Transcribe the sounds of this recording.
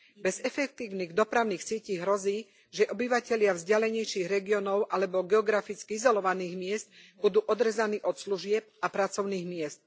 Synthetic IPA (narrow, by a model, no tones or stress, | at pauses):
bɛzɛfɛk̚t̪iːʊniːɣd̪ɔpɾaʊniːxsɪɛciːɦɾɔziː | ʒɛʔɔbiʋacɛʎɪavzɟalɛɲɛjʃiːɣɾɛɡiɔnɔʊʔalɛbɔɡɛɔɡɾafit͡skiizɔlɔʋaniːɣmɪɛst̪̚bud̪uːʔɔd̪ɾɛzaniːʔɔt̪sluʒɪɛp̚apɾat͡sɔʊniːɣmɪɛst̪̚